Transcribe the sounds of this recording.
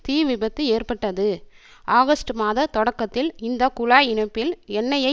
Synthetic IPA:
t̪iːʋɪbɐt̪ːɯeːrpɐʈːɐðɯ | ʔaːɣɐsʈɯmaːðɐt̪ɔɽɐkːɐt̪ːɪlɪnd̪ɐkʊlaːjɪɳɐpːɪlɛnːɐjɐɪ

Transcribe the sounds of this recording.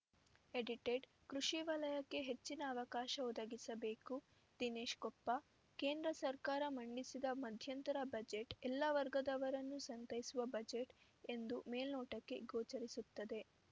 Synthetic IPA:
eɖiʈeːɖ | kɾuʂiʋɐlɐjɐkːe̞ɦe̞t͡ʃːinɐːʋɐkaːʃɐɔd̪ɐɡisɐbe̞ːku | d̪ineːʃkɔpːɐ | ke̞ːnd̪ɾɐsɐɾkaːɾɐmɐɳɖisid̪ɐmɐd̪ʱjɐnt̪ɐɾɐbɐd͡ʒe̞ʈɛlːɐʋɐɾɡɐd̪ɐʋɐɾɐnːusɐnt̪ɐjisuʋɐbɐd͡ʒe̞ʈ | e̞nd̪ume̞ːlnoːʈɐkːe̞ɡoːt͡ʃɐɾisut̪ːɐd̪e̞

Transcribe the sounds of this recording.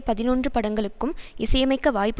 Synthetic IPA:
pɐðɪnoːndrɯpɐɽɐŋɡɐɭɯkːɯmɪsɐjɐmɐɪkːɐʋaːjpːɯ

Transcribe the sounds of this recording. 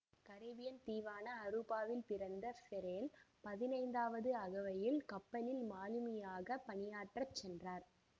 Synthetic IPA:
kɐɾɐʋɪjɐnt̪iːʋaːnɐːɾɯpaːʋɪlpɪɾɐnd̪ɐfɛɾeːlpɐðɪnɐɪnd̪aːʋɐðɯɐɣɐʋɐjɪlkɐpːɐlɪlmaːlɯmɐjaːɣɐpɐɳɪjaːʈrɐt͡ʃːɛndraːɾ

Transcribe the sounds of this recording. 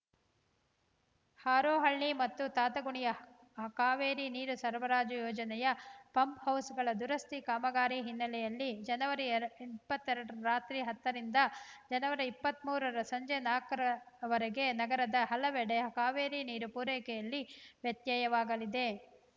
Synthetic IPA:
haːɾoːɦɐɭːimɐt̪ːut̪aːt̪ɐɡuɳijɐ | ɦɐkaːʋeːɾiniːɾusɐɾʋɐɾaːd͡ʒujɔːd͡ʒɐnɛjɐpɐmphɐwsɡɐɭɐd̪uɾɐst̪ikaːmɐɡaːɾiɦinːɐlɛjɐlːid͡ʒɐnɐʋɐɾiipːɐt̪ːɛɾɐɽuɾaːt̪ɾiɦɐt̪ːɐɾind̪ɐd͡ʒɐnɐʋɐɾiipːɐt̪muːɾɐɾɐsɐɲd͡ʒenaːkɐɾɐʋɐɾɐɡe̞nɐɡɐɾɐd̪ɐɦɐlɐʋɛɽeɦɐkaːʋeːɾiniːɾupuːɾɛːkɛjɐlːiʋjɐt̪jaːjɐʋaːɡɐlid̪e̞

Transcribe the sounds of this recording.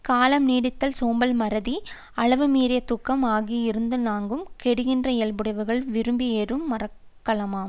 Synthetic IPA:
kaːlɐmniːɽɪt̪ːɐlsoːmbɐlmɐɾɐði | ɐɭɐʋɯmiːɾɪjɐt̪ʊkːɐmaːɣiɪɾɯnd̪ɯnaːŋɡɯmkɛɽɯɣɪndrɐɛlbɯɽɐɪʋɐɾɣɐɭʋɪɾɯmbieːɾɯmːɐrɐkːɐɭɐmaːm

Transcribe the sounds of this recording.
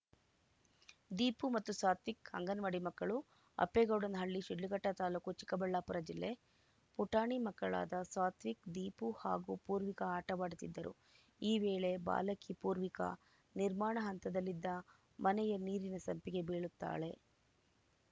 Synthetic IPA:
d̪iːpumɐt̪ːuswaːt̪ʋikhɐ̰ŋɡɐnʋɐɽimɐkːɐɭu | ɐ̰pːeɡɐwɽɐnɐɦɐɭːiʃiɖːuɡɐʈːɐt̪aːlukut͡ʃi̥kːɐbɐɭːaːpuɾɐd͡ʒilːe̞ | puʈaːɳimɐkːɐɭa̰ːd̪ɐsaːt̪ʋikd̪iːpuha̰ːɡupuːɾʋikɐaːʈɐʋaːɽut̪ːid̪ːɐɾṵ | iːʋeːɭe̞ba̰ːlɐkipuːɾʋikɐ̰ | niɾmaːɳɐɦɐnt̪ɐd̪ɐlːid̪ːɐ | mɐnɛjɐniːɾinɐsɐmpiɡe̞beːɭut̪ːa̰ːɭe̞

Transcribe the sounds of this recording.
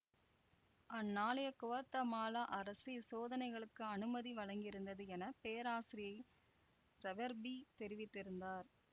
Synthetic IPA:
ɐnːaːlɐjɐkʊʋɐt̪ːɐmaːlaʔɐɾɐsisoːðɐnɐɪɣɐɭɯkːɯɐnɯmɐðiʋɐɻɐŋɡɪɾɯnd̪ɐðɯɛnɐpeːɐɾaːsɪɾɪjɐɪ | ɾɛʋɐɾbit̪ɛɾɪʋɪt̪ːɪɾɯnd̪aːɾ

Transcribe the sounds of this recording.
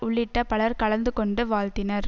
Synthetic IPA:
ʊɭːɪʈːɐpɐɭɐɾkɐɭɐnd̪ɯkɔɳɖɯʋaːlt̪ɪnɐɾ

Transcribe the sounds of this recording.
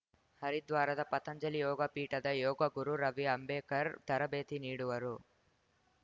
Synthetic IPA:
hɐɾid̪ʋaːɾɐd̪ɐpɐt̪ɐɲd͡ʒɐlijɔːɡɐpiːʈɐd̪ɐjɔːɡɐɡuɾuɾɐʋiɐmbeːkɐɾt̪ɐɾɐbeːt̪iniːɽuʋɐɾu

